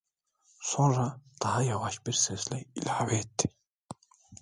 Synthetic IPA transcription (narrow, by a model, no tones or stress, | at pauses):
sʊnrat̪aajawaːʃpirseːslæḭlʲaweːt̪ː